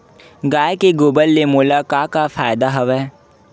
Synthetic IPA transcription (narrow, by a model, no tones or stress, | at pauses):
ɡaːekeɡoːbəlːemoːlakaːkafaːjd̪aɦɐʋɛː